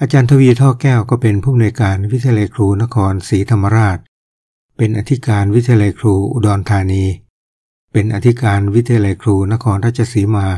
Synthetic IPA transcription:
ʔaː˧t͡ɕaː˧nt̪ʰa˧wiː˧t̪ʰɔː˥˩kɛː˥˩wkɔː˥˩pe˧npʰuː˥˩m˨nuː˧jkaː˧nwi˦˥t̪ʰi˧a˧la˧jkʰɾuː˧na˦˥kʰɔː˧nsiː˩˦t̪ʰa˧mːa˧ɾaː˥˩t̪̚ | pe˧nʔa˧t̪ʰi˦˥kaː˧nwt̪ʰi˧a˧la˧jkʰɾuː˧ʔṵ˧dɔː˧nt̪ʰaː˧niː˧ | pe˧nʔa˧t̪ʰi˦˥kaː˧nwi˦˥t̪ʰi˧a˧la˧jkʰɾuː˧na˦˥kʰɔː˧ntɾa˥˩t͡ɕʰːa˧siː˩˦maː˧

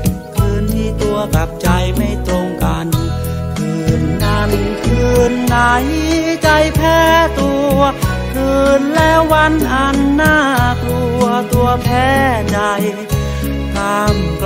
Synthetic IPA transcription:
kʰɯː˧nt̪ʰiː˥˩t̪u˧ɐka˨˩p̚t͡ɕa˧jma˥˩jt̪o˧ŋka˧n | kʰɯː˧˩nʔa˧nkʰɯː˧˩nːaː˧˩jt͡ɕa˧jpʰɛː˥˩t̪u˧ə | kʰɯː˧˩nlɛː˦˥wwːa˧˥nʔa˧nːaː˥˩klu˧ət̪u˧ɐpʰɛː˦˥˩da˧j | t̪aː˧˥mk

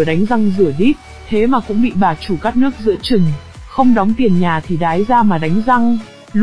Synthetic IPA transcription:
əɗa˨˦ŋ̟za˧ŋzɨ˧˩əɗi˦˥t̚ | t̪ʰe˨˦maː˨˩kʊ̰˧˥ŋ͡mɓḭ˧˨ɓaː˨˩t͡ɕu˧˩kaː˦˥k̚nɨ˦˥ək̚zɨ̰˧˥ət͡ɕɨ˨˩ŋxə˧wŋ͡mɗɔ˨˦wŋ͡mt̪i˨˩ənɲaː˨˩t̪ʰi˨˩ɗaː˨˦jzaː˧maː˨˩ɗa˨˦jŋ̟za˧ŋ | l

